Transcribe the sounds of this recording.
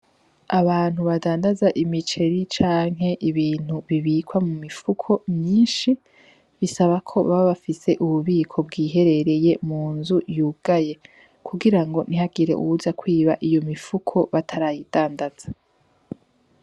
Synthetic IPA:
aβaːn̥huβadaːndazaʔimit͡ʃe̞ɾit͡ʃaːŋ̥ɦe̞ʔiβiːn̥huβiβikwamumifukʰo̞mɲiːnʃi | βisaβakʰo̞βaββafise̞ʔuβuβiːkʰo̞bɡiːɦe̞ɾe̞ɾeje̞muːnzujuːɡ̥aje̞ | kʰuɡiɾaŋɡo̞niɦaɡiɾe̞̰ʔṵhuzakwiːβaʔijo̞mifukʰo̞βatʰaɾajid̥aːndaz̥a

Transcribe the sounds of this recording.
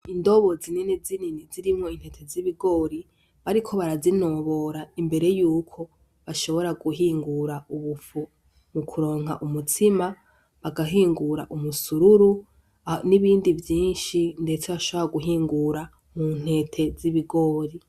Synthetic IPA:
indo̞βo̞zininizininiziɾimŋo̞in̥he̞tʰe̞ziβiɡo̞ːɾi | βaɾikʰo̞βaɾazino̞βo̞ɾaimbe̞ɾe̞juːkʰo̞ | βaʃo̞βo̞ɾaɡuɦiːŋɡuɾauβufu | mukʰuɾo̞ːŋɦa̰ʔumutʰima | βaɡaɦiːŋɡuɾaʔumusuɾuɾu | niβiːndivjiːnʃinde̞t͡se̞βaʃo̞βo̞ɾaɡuɦiːŋɡuɾa | mun̥he̞ːtʰe̞ziβiɡo̞ːɾi

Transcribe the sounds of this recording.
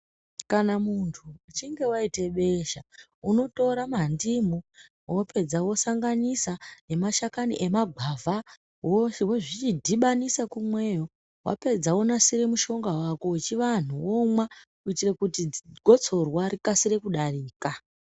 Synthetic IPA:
kanamuntʰuːt͡ʃiŋɡe̞waite̞ɓe̞ʃa | uno̞to̞ɾamandimu | wope̞d͡zawo̞saŋɡanisane̞maʃakaniʔe̞maɡʱavʱa | woʃweʐit͡ʃidʱiɓanisakumwe̞ːjo | wʔa̰pe̞d͡zawo̞nasiɾe̞muʃo̞ŋɡawako̞wt͡ʃiʋan̤uwomwa | uitirekutiɡʱo̞t͡sʰo̞rwaɾikasiɾe̞kuɗariːka

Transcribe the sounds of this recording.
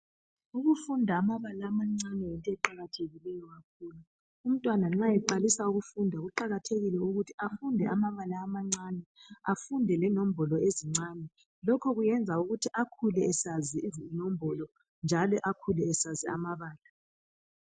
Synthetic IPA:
uɣufundʱaːmaβalaːmaŋ͡ǀanɛɛntʼɛǃaɣatʰeɣilɛjɔɣakʰuːlu | um̩tʼwanaŋ͡ǁajɛǃalisauɣufundʱaɣuǃaɣatʰeɣilɛuɣutʰiafundʱɛʔamaβalaːmaŋ͡ǀanɛafundʱɛlɛnom̩bʱɔlɔeziŋ͡ǀanɛ | lɔkʰɔɣujɛnd͡zʱauɣutʰiʔakʰulɛɛsaziizinom̩bʱɔlɔ | nd͡ʒʱalɔʔakʰulɛɛsaziamaβaːla

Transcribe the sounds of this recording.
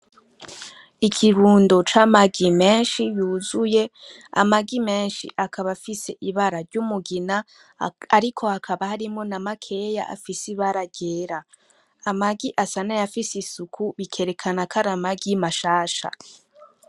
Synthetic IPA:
ikʰiɾuːndot͡ʃamaɡime̞ːnʃijuːzuje̞ | a̰maɡime̞ːnʃḭʔakʰaβafise̞ʔiβaɾaɾɟumuɡina | aɾikʰo̞hakʰaβahaɾimŋo̞namakʰe̞ja̰ʔa̰fisiβaɾaɟeɾaː | maɡiʔasanajafisisukʰuβikʰe̞ɾe̞kʰanakʰaɾamaɡimaʃaːʃa̰

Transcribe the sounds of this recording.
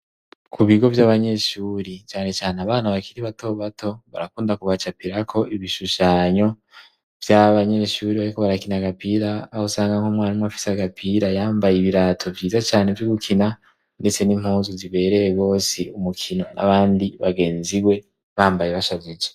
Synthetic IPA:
kʰuβiɡo̞vjaːβaɲe̞ʃuɾit͡ʃaːne̞t͡ʃaːneaβaːnaβakiɾiβato̞βatʰo̞βaɾakuːndakuβat͡ʃapiɾakʰo̞iβiʃuʃaːɲo̞ | vjaβaɲe̞ʃuɾiβaɾiko̞βaɾakinaɡapiɾaːhosaːŋɡaŋhomŋwaːnimŋafi̥saɡapʰiɾajaːmbajiβiɾatʰo̞vjiːzat͡ʃaːne̞vjuɡukʰina | nde̞t͡se̞nim̥huːnzuziβe̞ːɾejeɡo̞ːsiumukʰino̞na̰βaːndiβaɡe̞ːnziwe̞ | βaːmbajeβaʃazid͡ʒe

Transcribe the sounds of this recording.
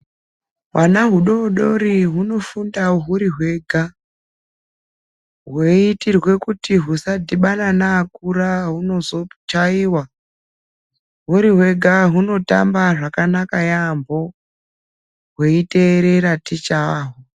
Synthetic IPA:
wanaɦuɗo̞ɗo̞ɾiɦuno̞fundaɦuɾiɦwe̞ːɡʱa | ɦwe̞itirwe̞kutiɦusadʱiɓananaːkuɾaɦuno̞zo̞t͡ʃaiwa | ɦuɾiɦwe̞ɡʱaɦuno̞ta̰mbaʐakanakajambo̞ | ɦwe̞ite̞ɾe̞ɾatit͡ʃaɦo

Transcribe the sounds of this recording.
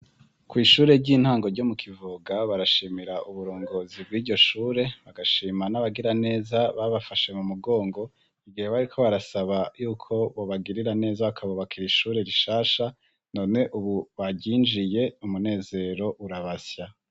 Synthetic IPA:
kwiːʃuːɾe̞ɟiːn̥haːŋɡo̞ɾɟomukʰivuɡaβaɾaʃiːmiɾaʔuβuɾo̞ːŋɡo̞ːzib̚ɡiːɾɟo̞ʃuːɾe̞βaɡaʃiːmanaβaɡiɾane̞ːzaβaβafaʃe̞mumuɡo̞ːŋɡo̞ | iɡiheβajuːkʰo̞βaɾasaβajuːkʰo̞βo̞βaɡiɾiɾane̞ːzaakʰaβoβakʰiɾiʃuːɾe̞ɾiʃaːʃa | no̞ːne̞ʔuβuβaɟiːnd͡ʒije̞umune̞ːze̞ɾo̞ʔuɾaβasja

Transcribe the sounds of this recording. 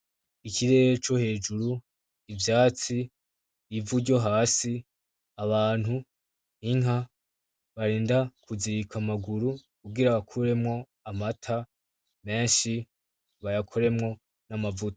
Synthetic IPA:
ikʰiɾe̞ːɾet͡ʃo̞he̞ːd͡ʒuɾu | ivjaːt͡siː | vuɟo̞ɦaːsi | aβaːn̥hu | iŋɦa | βaɾeːndakʰuziɾikʰamaɡuɾukubɡiɾaβakʰuɾe̞mŋo̞ | amatʰa | me̞ːnʃi | βajakʰo̞ɾe̞mŋo̞ | namavuto̥

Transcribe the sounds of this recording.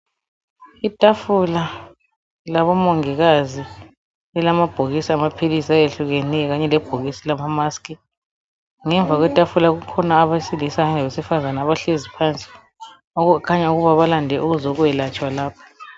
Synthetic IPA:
itʼafula | laβɔmoŋiɣazi | ɛlamab̥ʱoɣisiamapʰilisiajeɬuɣenɛɣaɲɛlɛb̥ʱoɣisilamamaskʼi | ŋɛɱvʱaɣwɛtʼafulaɣukʰɔnaːβasilisaɛlaβesifazanaːβaɬezipʰant͡sʼɛ̥ | okʰaɲauɣuβaβalandʱɛʔuɣuzɔɣuɛlat͡ʃʼwalaːpʰḁ

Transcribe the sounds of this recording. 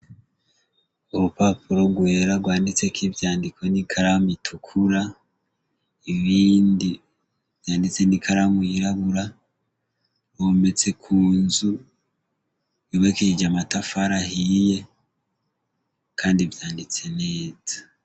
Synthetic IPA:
oβopapuɾoɡwe̞ɾaɡwaːndit͡se̞kʰivjaːndikʰo̞nikʰaɾamitʰukʰuɾa | iβiːndi | vjaːndit͡se̞nikʰaɾamuiɾaβuɾa | ome̞t͡se̞kʰuːnzu | βiβekiid͡ʒamatafaɾahije̞ | kʰaːndivjaːndit͡se̞ne̞ːz̥a

